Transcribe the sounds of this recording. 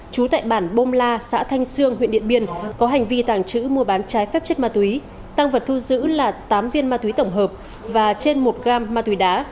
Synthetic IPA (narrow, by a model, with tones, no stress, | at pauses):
t͡ɕu˨˦t̪a̰ː˧˨jɓaː˧˩nɓo˧mlaː˧sa̰ː˧˥t̪ʰa˧jŋ̟sɨ˧əŋhwḭ˧˨nɗḭ˧˨ənɓi˧ənkɔ˨˦ɦa˨˩jŋ̟vi˧t̪aː˧˩ŋt͡ɕɨ̰˧˥mu˧əɓaː˨˦nt͡ɕaː˨˦jfɛ˦˥p̚t͡ɕə˦˥t̚maː˧t̪wi˨˦ | t̪aː˧ŋvə˨˩t̚t̪ʰu˧zɨ̰˧˥laː˨˩t̪aː˨˦mvi˧ənmaː˧t̪wi˨˦t̪ə˧˩wŋ͡mɦəː˨˩p̚ | vaː˨˩t͡ɕe˧nmo˨˩t̚ɣaː˧mːaː˧t̪wi˨˦ɗaː˨˦